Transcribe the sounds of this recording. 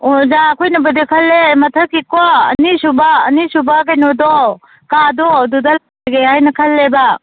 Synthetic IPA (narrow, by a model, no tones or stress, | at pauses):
ɔzakʰojnɐbəd̪ikʰɐlːemɐtʰəkikɔə̰nisubaːnisubaɡajnɔdɔ | kadɔdudal | ɡeajnɐkʰɐlːeba